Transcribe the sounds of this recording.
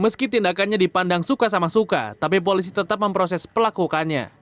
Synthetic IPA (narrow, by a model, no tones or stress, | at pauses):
məskit̪indakanɲadipandaŋsukasamasuka̰t̪ap̬ip̬olis̬it̪ət̪ap̚məmpɾosɛspəlakukanɲa̰